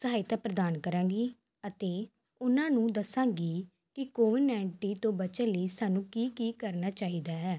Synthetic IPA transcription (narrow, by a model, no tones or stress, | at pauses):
səɦaːɪt̪aːpɾəd̪aːnkəɾãːɡiː | ət̪eː | ʊnãːnũːd̪əsãːɡiː | kɪkoːʋɪnɛːɳʈiːt̪õːbət͡ʃəliːsaːnũːkiːkiːkəɾnaːt͡ʃaːɦiːd̪aːɦɛː